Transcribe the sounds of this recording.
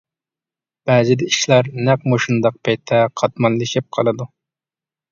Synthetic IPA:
b̥ɛzɪd̪ɛiʃlæɾnæq̚moʃund̪ɑq̚pʰɛjt̪ʰːɛqʰɑt̪̚mɑnlˠɨʃip̚qʰɑ̰lˠɨd̪u

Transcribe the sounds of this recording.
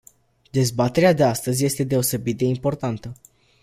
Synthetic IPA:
d̪e̞zbat̪e̞ɾead̪e̞ast̪əzʲje̞st̪e̞d̪e̞o̞se̞bit̪̚d̪e̞impo̞rt̪ant̪ə

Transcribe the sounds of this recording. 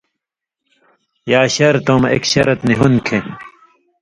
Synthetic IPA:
jaːɕɐɾt̪oːmḛkɕɐɾɐt̪niɦunkʰẽ

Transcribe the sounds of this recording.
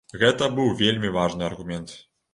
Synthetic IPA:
ɣɛt̪ɐbɨwvʲelʲmʲivaʐnɨɐrɣumʲɛnt̪

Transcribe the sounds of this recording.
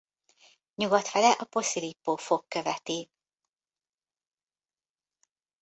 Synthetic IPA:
ɲuɡɒt̪fɛlɛʔɒpo̞silipːoːfo̞kːøvɛt̪i

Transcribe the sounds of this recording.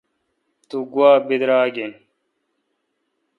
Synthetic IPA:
t̪uɡuwaːbid̪ɾaːɡen

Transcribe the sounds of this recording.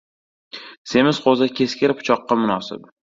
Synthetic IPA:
se̞mɪsqʰozakʲʰe̞skʲɪɾpʰʊ̥t͡ʃʰɒqːɑmʊnɒsɪ̰p

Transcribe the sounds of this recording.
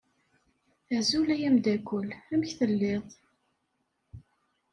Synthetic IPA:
əʕzulæjæmd̪ækʷːəlæməçθəlːeðˤ

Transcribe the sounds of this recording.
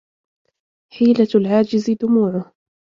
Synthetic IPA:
ħiːlalʕaːd͡ʒɪzɪd̪ʊmuːʕʊh

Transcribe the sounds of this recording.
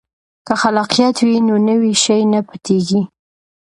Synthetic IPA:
kəxalɑqijat̪winonəwiʃajnapət̪ʰeɡi

